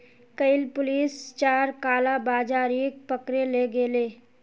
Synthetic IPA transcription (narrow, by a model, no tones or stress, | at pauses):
kəɪlpʊliːst͡ʃaːɾkaːlabaːd͡ʒaːɾiːk̚pəkɾeleɡeːleː